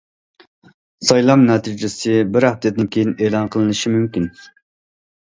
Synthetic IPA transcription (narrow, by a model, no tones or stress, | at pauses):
sɑjlˠɑmnɛt̪ʰid͡ʒɪsɪbɪɾhɛfd̪ɛt̪̚ɪnkʲʰejineːlˠɑnqʰəlˠɨnɨʃimymkʲin